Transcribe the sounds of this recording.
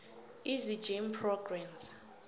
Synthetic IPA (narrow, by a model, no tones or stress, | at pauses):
izid͡ʒimpʰrɔɡramz